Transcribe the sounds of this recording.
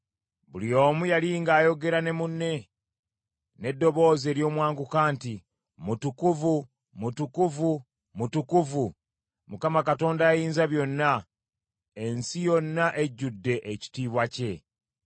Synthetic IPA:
bulio̞ːmujaliŋɡaːjo̞ɡe̞ɾane̞munːe̞ | ne̞dːo̞βo̞ːze̞ːɾjo̞ːmwaːŋɡukaːnti | mutukuvu | mutukuvu | mutukuvu | mukamakato̞ːndaːjiːnzaβjo̞nːa | e̞nsijo̞nːaʔe̞ɟːudːe̞ʔeci̥tiːβwace̞

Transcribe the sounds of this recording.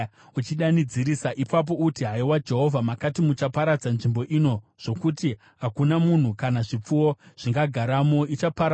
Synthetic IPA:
ut͡ʃiɗanid͡ziɾisaʔipap̬o̞utiɦaiwad͡ʒe̞ɦo̞vʱamakatimut͡ʃapaɾad͡zanʐimbo̞ʔino̞ | ʐ̥o̞kuti | ɦakunamun̤ukanaʐip͡fuwoʐ̥iŋɡaɡʱaɾamo̞it͡ʃapaɾ

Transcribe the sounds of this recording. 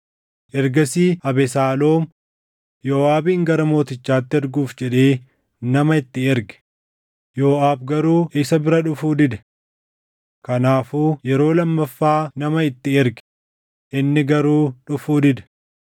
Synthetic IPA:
ʔɛɾɡɐsiːɐbɛsaːlo̞ːm | joːaːbiːŋɡɐɾɐmo̞ːt̪ɪt͡ʃːaːt̪ːɪɛɾɡuːfd͡ʒɛᶑeː | nɐmɐɪt̪ːɪɛɾɡɛ̥ | joːʔaːbɡɐɾuːʔɪsɐbɪɾɐᶑʊfuːd̪ɪd̪ɛ̥ | kɐnaːfuːjɛɾo̞ːlɐmːɐfːaːnɐmɐɪt̪ːɪɛɾɡ | ʔɪnːɪɡɐɾuːᶑʊfuːd̪ɪd̪ɐ̥

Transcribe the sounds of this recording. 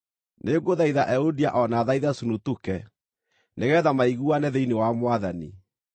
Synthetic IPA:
neɡoðaiðaʔɛodiaʔɔnaːðaiðasunutukɛ | neɣɛːðamaiɣuanɛðeinewamwaðanḭ

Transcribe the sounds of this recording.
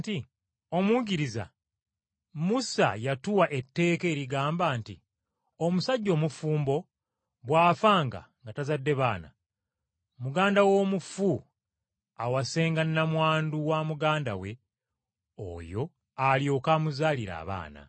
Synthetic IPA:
ti | o̞muɟiɾiza̰ | musa̰jatuwaʔe̞tːe̞ːke̞ːɾiɡaːmbaːnti | omusaɟːo̞ːmufuːmbo̞ | βwaːfaːŋɡa̰ŋɡatazadːe̞βaːna̰ | muɡaːndawo̞ːmufu | awase̞ːŋɡanːamwaːnduwamuɡaːnda̰we̞ | o̰jo̞ | aljo̞kaːmuzaːliɾa̰ːβa̰ːna̰

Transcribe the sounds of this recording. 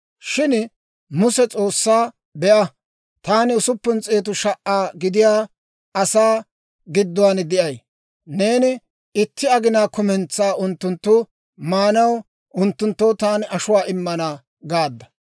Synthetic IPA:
ʃɪn | mʊsɛt͡sʼo̞ːsːaː | bɛʔɐ | t̪aːnɪʊsʊpːʊnt͡sʼe̞ːt̪̬ʊʃɐʔaːɡɪd̪ɪjaː | ɐsaː | ɡɪd̪ːʊwaːnd̪ɪʔɐj | ne̞ːnɪ | ɪt̪ːɪɐɡɪnaːkʊmɛnt͡saːʊnt̪ːʊnt̪ːʊ | maːnɐw | ʔʊnt̪ːʊnt̪ːoːwt̪aːnɪʔɐʃʊwaːʔɪmːɐna | ɡaːd̪ːɐ̥

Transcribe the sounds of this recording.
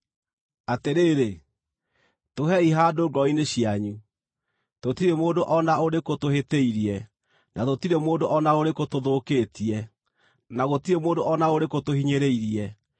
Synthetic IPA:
ateɾeːɾe | toɦɛiɦaːdoːɡɔineɕiaɲu | totiɾemoːdoʔɔnaoɾekotoheteiɾiɛ | nʔatotiɾemoːndoʔɔnaoɾekotoðoːkeːtiɛ | naɣotiɾemoːdoɔnaoɾekotohiɲeɾeiɾiɛ

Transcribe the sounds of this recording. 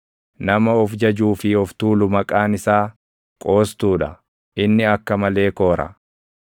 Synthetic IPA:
nɐmɐɔfd͡ʒɐd͡ʒuːfɪɔft̪uːlʊmɐkʼaːnɪsaː | kʼo̞ːst̪uːᶑɐ | ʔɪnːɪɐkːɐmɐle̞ːkoːɾɐ̰

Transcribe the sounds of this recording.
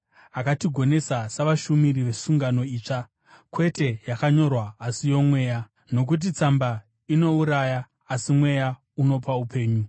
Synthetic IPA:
akatiɡʱo̞ne̞sasaʋaʃumiɾiʋe̞suŋɡano̞iːt͡ʂa | kwe̞te̞jakaɲo̞rwaːsijo̞mwe̞ːja | no̞k̬ut̬it͡samba | ino̞uɾajaː | simwe̞ja | uno̞paupe̞ːɲu

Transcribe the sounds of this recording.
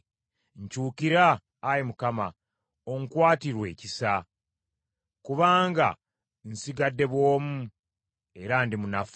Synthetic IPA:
ɲcuːkiɾaː | jimukama̰ | oŋkwaːtiɾwe̞ːcisa | kuβaːŋɡa̰ | n̩siɡadːe̞βwo̞ːmu | e̞ɾandimunaf

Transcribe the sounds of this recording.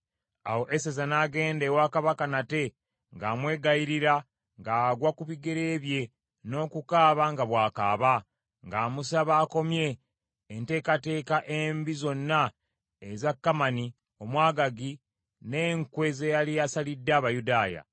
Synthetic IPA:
awo̞ʔesezanaːɡe̞ːndewakaβakanate̞ | ŋɡaːmwe̞ːɡaiɾiɾa | ŋɡaːɡwakuβiɡe̞ɾeːβje̞ | no̞ːkukaːβaŋɡaβwaːka̰ːβa | ŋɡaːmusaβaːko̞mje̞ː | nte̞ːkate̞ːkaʔembizo̞nːa | ezakːamani | o̞mwaːɡaɡi | ne̞ːŋkwe̞ze̞jalijasalidːaːβajudaːja̰

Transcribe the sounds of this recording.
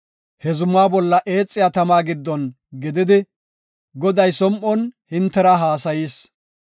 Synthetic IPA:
hɛzʊmːaːbɔlːɐʔe̞ːt͡sʼːɪjaːt̪ɐmaːɡɪd̪ːɔn | ɡɪd̪ɪd̪ɪ | ɡɔd̪ɐjsɔmʔɔnhɪnt̪ːɛɾɐɦaːsɐjiːs

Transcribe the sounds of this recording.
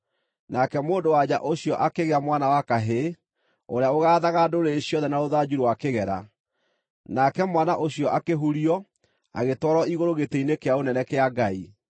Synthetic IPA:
nakɛmoːndowad͡ʑa̰ʔoɕjɔʔakeɣeamwanawakaɦe | oɾeaoɣaːðaɣadoɾeːɕjɔðɛnaoðad͡ʑuɾowakeɣɛɾa̰ | nakɛmwanaʔoɕjɔʔakeɦuɾiɔ | a̰ɣetwɔɾɔiɣoɾoɣetɛinekeaonɛnɛkeaɡai

